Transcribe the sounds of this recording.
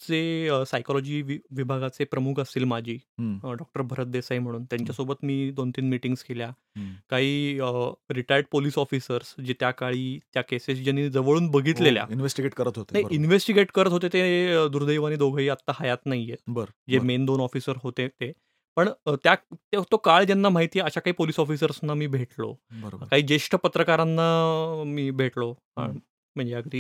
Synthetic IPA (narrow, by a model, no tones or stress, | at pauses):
t͡sesajkɔlɔd͡ʑiːʋiʋibʱaɡat͡sepɾəmukʰəsiːlmad͡ʑʱiːɖɔk̚ʈəɾbʱəɾət̪̚d̪esajm̤əɽ̃uːnt̪jaɲt͡ɕjasobət̪miːd̪ont̪iːnmiʈiŋɡskʰelja | kaɦiː | ɾiʈaəɾɖpoliːsɔfisəɾsd͡ʑet̪jakaɭiːt̪jakeses̬d͡ʑenːid͡zəʋəɭuːnbəɡʱit̪lelja̰inʋesʈiɡeʈkəɾət̪ɦot̪enajinʋesʈiɡeʈkəɾət̪ɦot̪̬et̪ed̪uɾd̪əjʋañiːd̪oɡʱəiːat̪ːahajat̪naɦijet̪̚bəɾd͡ʑemend̪onɔfisəɾɦot̪et̪e | pəɳt̪jat̪et̪okaɭd͡ʑjanːam̤aɦit̪iːjeəɕakaɦiːpoliːsɔfisəɾsnamiːbʱeʈlo̰bəɾbkaɦiːd͡ʑeʂʈəpət̪ɾəkaɾanːamiːbʱeʈlo | a̰ɳ | m̤əɳd͡ʑejakəɾiː